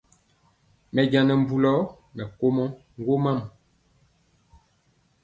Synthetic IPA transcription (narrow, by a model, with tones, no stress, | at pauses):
mɛ˨d͡ʒa˨nɛ˨m̩˨bu˨lɔ˦ | mɛ˨ko˦mɔ˦ | ŋ˦ɡo˦ma˦˨m